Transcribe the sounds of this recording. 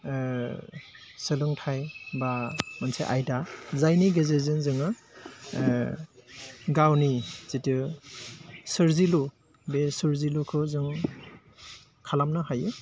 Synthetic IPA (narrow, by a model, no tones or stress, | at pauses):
sɯlɯŋtʰajbamanseʔajdazajniɡezezɯnzɯŋɯ | ɡawniz̥itɯ | sɯɾzilu | besɯɾzilukʰɯzɯŋ | kʰalamnɯhajɯ